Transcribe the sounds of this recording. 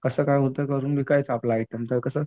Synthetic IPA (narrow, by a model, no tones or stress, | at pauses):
kəsəːkajɦot̪əkəɾuːnbʱiːkajt͡saplaːit̪əmt̪əɾkəsəː